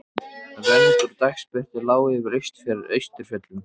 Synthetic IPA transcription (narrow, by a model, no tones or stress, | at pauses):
vɛɾt̪ʏɾt̪ajkspɛr̥t̪ɪlaːwɪvɪɾejst̪fɛɾɪɾḛjst̪ʏɾ̥fjœt̪lʏm